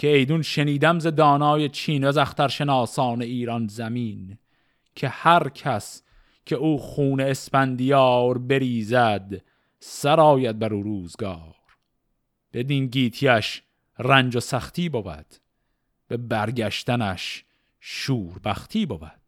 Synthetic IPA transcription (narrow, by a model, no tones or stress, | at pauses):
cʰeejd̪unʃeniːd̪æmzed̪ɒːnɒːjet͡ʃʰiːnvæzæxt̪æɾʃe̞nɑːsɒːneiːɾɒnzæmiːn | kʰe̞hæɾkʰæs | cʰe̞uːχuːne̞ːspænd̪ijɒːɾbe̞ɾiːzæd̪ | sæɾɒːjæd̪̚bæɾuːɾuːzɡɒːɾ | b̥e̞d̪inɟiːt̪ʰiæʃ | rænd͡ʒosæχt̪ʰiːbobæ̰d̪̥ | b̥e̞bæɾɡæʃt̪ænæʃ | ʃuːɾbæxt̪ʰiːbobæd̪̥